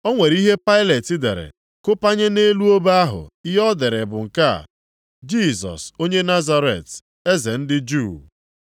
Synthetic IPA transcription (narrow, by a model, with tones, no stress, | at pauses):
ɔ˦ŋʷe˨ɾi˦ɦe˦pa˦ɪ˦le˨tɪ˦dḛ˨ɾɪ̰˨ | kʊ˦pa˦ɲe˦ne˦lu˦o˦ba˦ɦʊ̰˨i˦ɦɔ˦dɪ˨ɾe˨bʊ˨ŋ̩˨ka̰˦˨ | d͡ʒi˦˨zɔ̰˨so˦ɲe˦na˦za˦ɾḛ˨t | e˦ze˨n̩˦dɪ˦d͡ʒu˦˨